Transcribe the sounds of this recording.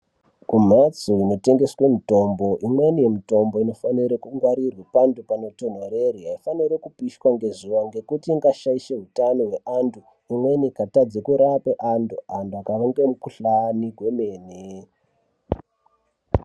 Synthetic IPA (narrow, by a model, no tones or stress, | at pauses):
kum̤at͡suino̞te̞ŋɡe̞swe̞mito̞mbo̞ʔimwe̞nije̞mito̞mbo̞ino̞faniɾekuŋɡwaɾirwipandupano̞to̞maɾeriɦaifaniɾekupiʃkwaŋɡe̞zuʋaŋɡe̞kutiːŋɡaʃaiʃe̞ɦutanoɦwe̞ʔantʰu | imwe̞nikatad͡zekuɾapeʔantʰuanduakaʋeŋɡemukuɬaniɡʱwe̞meːne